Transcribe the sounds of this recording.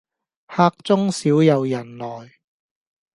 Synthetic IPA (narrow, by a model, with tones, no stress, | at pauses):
haː˧k̚t͡sʊ˥ŋsiː˨˥wjɐ˨˧wjɐ˨˩nlɔː˨˩j